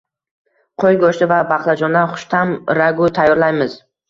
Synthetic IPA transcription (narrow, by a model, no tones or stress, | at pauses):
qʰojɡoʃt̪ɪvabɑχlˠad͡ʒɒnd̪anχʊ̥ʃt̪ʰamɾaɡʊt̪ʰajːɒɾlajmɪz